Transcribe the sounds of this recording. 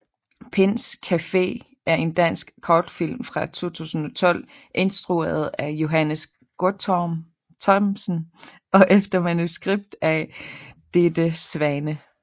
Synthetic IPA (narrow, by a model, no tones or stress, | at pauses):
pʰen̰skʰæfe̝̰ː | ʔæɐʔe̝nd̥æn̰sɡ̥kʰɒd̥fil̰mfʁɑ̈t͡sʰo̝̰ːt͡sʰṵːsn̩ɒ̽t͡sʰɒ̽l̰ | ʔe̝nsd̥ʁue̝̰ɐð̞̩ˠæjo̝ɦænəs | ɡ̥oɐ | t͡sʰɒmsn̩ | ɒ̽ʔefd̥ɐmænusɡ̥ʁib̥̚d̥æ | d̥ed̥əsʋænə